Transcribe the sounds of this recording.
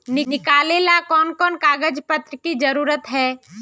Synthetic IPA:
nɪnɪkaːleːlakɔːnkɔːnkaːɡəd͡ʒpət̪ɾəkid͡ʒɐɾuːɾət̪ɦɛː

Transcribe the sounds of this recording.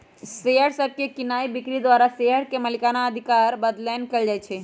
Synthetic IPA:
seɦəɾsəb̚ʱkekɪnaːibɪkɾid̪wʋaːɾaseɦəɾkemɐlɪkaːnaəd̪ʱɪkaːɾbɐd̪lɛːnkɐld͡ʒaːɛt͡ʃʰɛː

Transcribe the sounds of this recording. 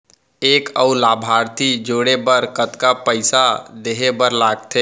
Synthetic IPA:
eːkəulaːbʱaːɾt̪ʰid͡ʒoːɽebəɾkət̪kapəɪsad̪eɦebəɾlaːɡt̪ʰeː

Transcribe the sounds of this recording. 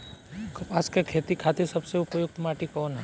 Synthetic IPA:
askekʰeːt̪ikʰaːt̪esɐbseʊpjʊɡ̚t̪maːʈikɔːnɦɛ

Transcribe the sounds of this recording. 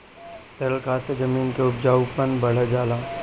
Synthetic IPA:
t̪ɐlkaːsed͡ʒɐmiːnkeʊpd͡ʒaːupənbɐɽ̤ed͡ʒaːlaː

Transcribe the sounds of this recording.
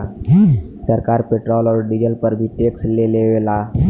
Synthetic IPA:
səɾkaɾpeʈɾɔlɔːɾɖizəlpəɾbʱiʈeksleleʋela

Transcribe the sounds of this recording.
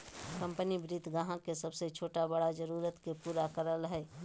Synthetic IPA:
kə̃mpənibɾɪd̪ʱɡaɦãkesəbset͡ʃʰoːʈabəɽad͡ʒəɾuːɾət̪kepuːɾakəɾəlɦɛː

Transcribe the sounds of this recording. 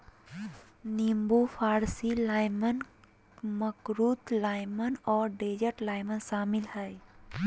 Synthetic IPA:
nĩmbufʰaːɾsilaːɪmən | məkɾuːt̪laːɪmənɔːɾɖeːd͡ʒəʈlaːɪmənʃaːmɪlhɛː

